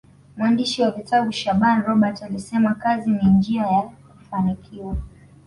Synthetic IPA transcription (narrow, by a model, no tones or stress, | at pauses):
muandiʃiwavitaɓuʃaɓanɾɔɓatalisɛmakazinind͡ʒiajakufanikʰiwa